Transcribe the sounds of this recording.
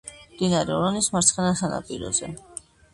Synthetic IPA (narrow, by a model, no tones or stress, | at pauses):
md̪̥inaɾɛɔɾɔnismaɾt̪sʰχɛnasana̰pʼiɾɔ̰zɛ